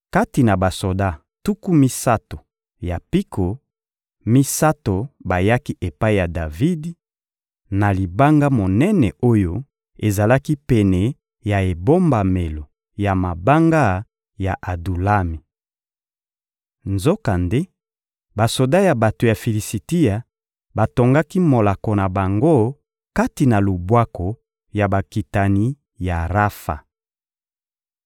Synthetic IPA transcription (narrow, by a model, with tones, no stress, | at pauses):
ka˦ti˨na˨ba˨so˨da˦ | tu˦ku˦mi˦sa˦to˨ | ja˨pi˦kʰo˨ | mi˦sa˦to˨ba˨ja˦ki˦ʔe˨pa˦i˦˨ja˨da˨vi˦d | na˨li˨ba˦ŋɡa˦mo˨nɛ˦nɛ˨o˦jo˦ | e˨za˨la˦ki˦pɛ˨nɛ˨ | ja˨e˨bo˦mba˨me˨lo˨ | ja˨ma˨ba˦ŋɡa˦ | ja˨ʔa˨du˨la˦mi˨ | nzo˦ka˨nde˦ | ba˨so˨da˦ja˨ba˨to˨ja˨fi˨li˨si˨ti˦ja˨ | ba˨to˨ŋɡa˦ki˦mo˨la˨ko˨na˨ba˨ŋɡo˦ | ka˦ti˨na˨lo˨bwa˦ko˨ | ja˨ba˨ki˨ta˨ni˦ | ja˨ʁa˦fa̰˨